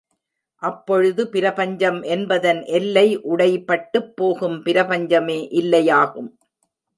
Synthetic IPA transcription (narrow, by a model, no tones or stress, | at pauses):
ʔɐpːɔɻɯðɯpɪɾɐpɐɲd͡ʒɐmʔɛnbɐðɐnʔɛlːɐɪʔʊɽɐɪpːɐʈːɯpːoːɣɯmpɪɾɐpɐɲd͡ʒɐmeːʔɪlːɐjaːɣɯm